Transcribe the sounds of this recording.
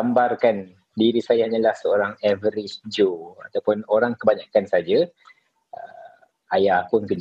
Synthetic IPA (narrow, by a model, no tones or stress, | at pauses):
ambarkan | diɾisajaɲalahsəoɾaŋɛvəɾisd͡ʒoat̪awpʊnoɾaŋkəbaɲakansad͡ʒa | ə | ajahpʊnkən